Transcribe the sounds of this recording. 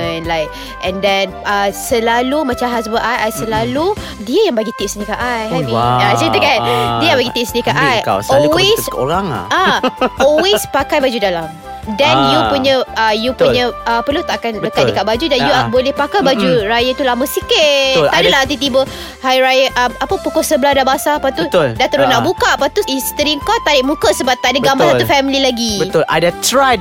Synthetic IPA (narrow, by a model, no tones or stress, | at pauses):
nlajk | ʔɛ̃ndɛnəsəlalumãt͡ʃamɦas̬bəʔajajsəlalu | diəjaŋbaɡit̪ɪʔsnĩkaʔajɦɛviasət̪əkandiəjãŋbaɡit̪ɪʔsnikaʔajkasɔlwesoɾaŋa̰ʔaʔɔlwespakajbad͡ʒudalam | dɛnjupuɲə̃əjupuɲə̃əpərlut̪aʔakandəkadəkaʔbad͡ʒudanjuabolɛhpakajbad͡ʒuɾajat̪ulaməsikɪadəlaat̪̬it̪ibə | hajɾajaʔəmapəpukɔsəbəlahdabasaːpat̪ut̪ldat̪əɾunaʔbukaʔapat̪uist̪əɾiŋkɔt̪ːaɾɪʔmukəsəbaʔ̚t̪aʔdəbɡambasat̪ufɛmililaɡibət̪ʊla̰dat̪ɾaj